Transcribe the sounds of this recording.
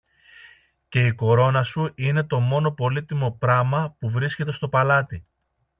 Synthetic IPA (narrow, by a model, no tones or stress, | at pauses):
ce̞iko̞ɾo̞nɐsuine̞t̪o̞mo̞no̞po̞lit̪imo̞pɾɐmɐpuvɾisce̞t̪e̞st̪o̞pɐlɐt̪i